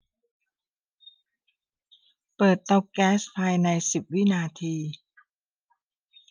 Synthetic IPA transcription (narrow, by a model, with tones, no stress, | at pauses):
pɤː˨˩t̪̚ːɔ˦˧p̚kɛː˦˥spʰaː˧jna˧jsi˨˩p̚wi˦˥˨naː˧t̪ʰiː˧